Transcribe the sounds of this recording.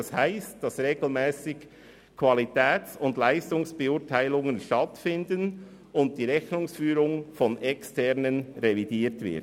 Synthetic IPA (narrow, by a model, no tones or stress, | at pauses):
shaɪst̚d̥ɑsʁeːɡ̥l̩mɛːsɪk | kʰv̥ɑlitʰɛːt͡sʊndlaɪstʊŋsb̥ɛʊːtʰaɪlʊŋənʃtɑtfɪndən | ʊnt̚d̥iːɾɛçnʊŋsfyːɾʊŋfɔnɛkstʰɛʁnənɾevidiːtvɪ̰t